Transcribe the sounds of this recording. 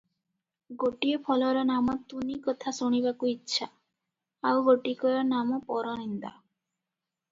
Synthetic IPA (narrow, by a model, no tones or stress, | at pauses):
ɡoʈiepʰɔlɔɾɔnamɔt̪unikɔt̪ʰasoɽ̃ibakuitːʃʰa | awɡoʈikɔɾɔnamɔpɔɾɔnind̪a̰